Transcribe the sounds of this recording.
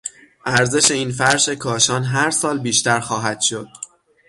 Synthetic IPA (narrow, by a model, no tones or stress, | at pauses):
ʔæɾze̞ʃe̞iːnfæɾʃe̞kʰɒːʃɒːnɦæɾsɒːlbiːʃt̪æɾxɒːɦæd̪̥ʃo̞d̪̥